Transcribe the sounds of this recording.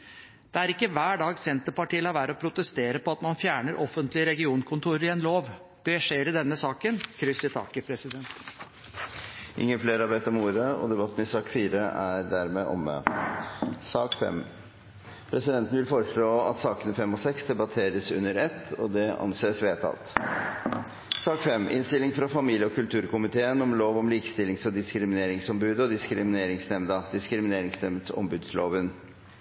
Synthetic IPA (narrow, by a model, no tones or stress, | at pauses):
d̪̥ɛæɾɪkːəʋæːɖɑːɡsɛnt̪əpɑʈiːlɑʋæːɾəɔpʰɾʊt̪əst̪eːɾəpɔɑt̪mɑnfjæːɳəɾʔɔfːənt̪lɪəɾɛɡɪuːnkʰʊnt̪ʰuːɾɪɛnloːʋ | d̪̥ɛʂeːɾɪd̪ɛnːəsɑːkənkʰɾʏsɪt̪ʰɑ̰ːkəpʰɾɛsɪd̪ɛnt̪ | ʔɪ̰ŋːənfleːɾɑʋeːt̪ɔmuːɾəɔ̰d̪ɛbɑt̪ːn̩ɪsɑːkfiːɾəʔæɾd̪æɾmɛʔɔ̰mːə̰ | sɑːkfɛ̰m | pʰɾɛsɪd̪ɛnt̪n̩ʋɪlfɔɾəʂɭoːɑ̰t̪sɑːkənəfɛmːɔsɛksd̪ɛbɑt̪ʰeːɾəsʉ̰nːəɾɛt̪ːɔd̪ɛɑ̰nseːsʋeːt̪ʰɑ̰t̪ | sɑːkfɛmːɪ̰nst̪ɪlɪŋfɾɑfɑmiːljəɔkʰʉlt̪ʰʉːɾkʊmɪt̪ʰeːənɔmloːʋɔmliːkə̥st̪ɪlːɪŋsɔd̪ɪskɾɪmɪneːɾɪŋsɔmbʉːd̪əɔd̪ɪskɾɪmɪneːɾɪŋsnɛmd̪ɑd̪ɪskɾɪmɪneːɾɪŋsnɛmd̪sɔ̰mbʉːd̪sloːʋən